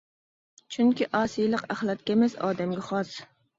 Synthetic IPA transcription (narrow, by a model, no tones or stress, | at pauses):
t͡ʃʰyŋkʲiʔɑːsijlˠɨqæχlˠɑt̪̚kʲɛmɛsɑ̰ːd̪ɛmɡʲɛχɑs